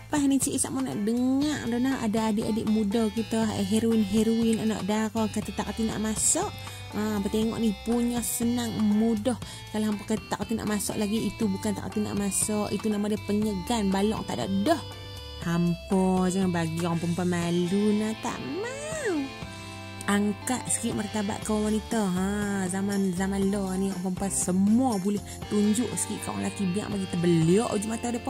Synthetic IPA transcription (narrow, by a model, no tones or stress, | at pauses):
paɦnit͡ʃiʔsaʔmɔna̰ʔdəŋaʔdɔnaha̰daadɪʔadɪʔmudɔhkit̪ə̰ɦeɾoinɦeɾuinanɔ̰ʔdaɾɔnkat̪at̪akat̪ina̰ʔmasɔʔ | əpət̪eŋɔ̰ʔnɪhpuɲɔhsənaŋmudɔh | kalaɦampakət̪akat̪ina̰ʔmasɔ̰ʔlaɡiːt̪ubukant̪a̰kat̪ina̰ʔmasɔʔit̪unamadapəɲəɡanbalɔ̰ʔt̪ada̰ʔdɔh | hampɔd͡ʒəŋanbaɡiŋpəmpamalunat̪a̰ʔma | aŋkaʔ̪̚sə̥kiʔmərt̪aba̰ʔ̪kəwanit̪aɦazamanzamanlɔniaŋpəmpasəmuabulɛh | t̪uɲd͡ʒʊʔsə̥kiʔkawa̰ŋlakibia̰ŋbaɡit̪əbəliɔʔd͡ʒumat̪adap